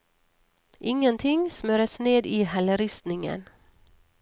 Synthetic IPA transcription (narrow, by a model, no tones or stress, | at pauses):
ʔɪŋːənt̪ʰɪŋsmøːɾəsneːd̪iːhæləɾʏst̪nɪŋə̰n